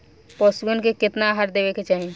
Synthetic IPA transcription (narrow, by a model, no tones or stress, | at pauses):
pɔːsɡənkekɪt̪naɦaɾd̪eːʋeket͡ʃaːɦẽ